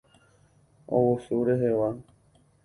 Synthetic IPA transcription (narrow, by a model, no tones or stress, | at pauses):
o̰wosuɾeɦeʋa